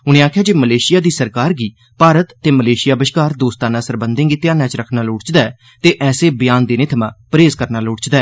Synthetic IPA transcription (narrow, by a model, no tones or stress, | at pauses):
ʊnẽːaːkʰɪjaːd͡ʒeːməleːʃɪjaːd̪iːsəɾkaːɾɡiː | paːɾət̪ːeːməleːʃɪjaːbəʃkaːɾd̪oːst̪ãːnãːsəɾbənd̪ẽːŋɡiːt̪ɪjãːnãːt͡ʃɾəkʰnaːloːɽt͡ʃd̪aːɛː | t̪eːʔɛːseːbɪjaːnd̪eːnɪt̪ʰmãːpəɾeːzkəɾnaːloːɽt͡ʃd̪aːɛː